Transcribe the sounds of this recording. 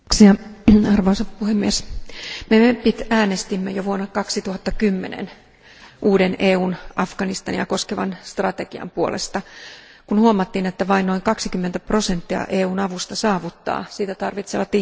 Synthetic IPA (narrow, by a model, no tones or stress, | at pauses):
siɑɑrʋoisɑppuhemːiesmemepit̪æːnest̪imːæjoʋuonːɑkɑksit̪uhɑt̪ːɑkymːḛnḛn | ʔuːdeneːuːnʔɑfɡ̥ɑnist̪ɑ̰njɑ̰ko̞skeʋɑ̰nst̪rɑt̪eɡ̥iɑ̰mpuo̰lʔḛst̪ɑ | kunhuomɑt̪ːiːnet̪ːæʋɑinno̞iŋkɑksikymːent̪æprosent̪ːiɑ̰ʔeːuːnɑʋust̪ɑsɑːʋut̪ːɑ̰ːsiːt̪æt̪ɑrʋit̪seʋɑt̪ːi